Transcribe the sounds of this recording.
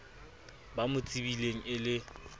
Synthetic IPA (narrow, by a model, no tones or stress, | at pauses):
bamʊt͡sʼibileŋ̩ɪlɪ